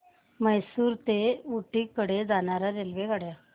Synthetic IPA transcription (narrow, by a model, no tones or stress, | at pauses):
məjsuːɾt̪euʈikəɽed͡zañaɾaɾelʋeɡaɽja